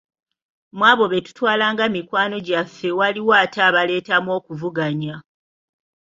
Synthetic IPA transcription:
mwaːβo̞βe̞tu̥twaːlaːŋɡamikwaːno̞ɟafewaliwaːtaːβale̞ːtamwo̞ːkuvuɡaɲa

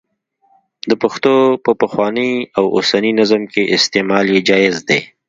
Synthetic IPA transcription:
d̪əpaxt̪opəpəxwɑniawo̰saninazamkeʔɪst̪emɑljed͡ʒɑɪzd̪e

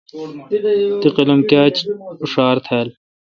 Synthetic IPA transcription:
t̪iqɐlɐmkaːt͡ɕuʂaːɾt̪ʰaːl

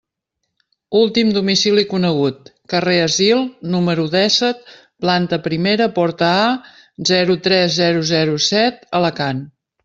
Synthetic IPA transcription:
ulˠt̪imd̪umisilikunəɣut̪̚kəreəzilˠnuməɾuðɛsət̪̚ | plant̪əpɾimeɾəpɔɾt̪əa | zɛɾut̪ɾɛzːɛɾuzɛɾusɛt̪ələkan

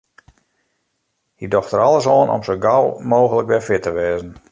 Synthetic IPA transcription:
hidɔxtəɾɑlˠəs̬ɔːnʔɔ̰msəɡawmoːɣələkʋɛfɪtəʋeːzən̩

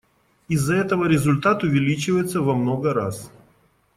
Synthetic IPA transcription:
ɪzːɐɛt̪əvəɾʲɪzʊlʲt̪at̪ʊvʲɪlʲit͡ɕɪvəjɪt̪səvɐmnoɡəɾas

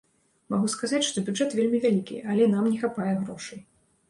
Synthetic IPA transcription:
maɣuskazat͡sʲʂt̪ɔbʲuʐɛt̪vʲelʲmʲivʲalʲikʲḭʔalʲɛnamnʲɛxapajɛɣɾɔʂɨj

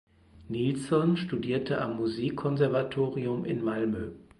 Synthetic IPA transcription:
nilsɔnʃtudiːɐtʰəʔa̰mːuziːkʰːɔnzɛɐvatʰoːʁiʊmɪ̰nmalmø

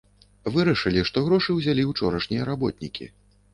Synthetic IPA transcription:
vɨɾɐʂɨlʲiʂt̪ɔɣɾɔʂɨwzʲalʲiwt͡ʂɔɾɐʂnʲijɐɾabɔ̰t̪̚ʲnʲikʲʰḭ

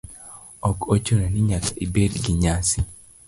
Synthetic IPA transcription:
ɔkot͡ʃoɾenɪɲakaibedɡiɲasi

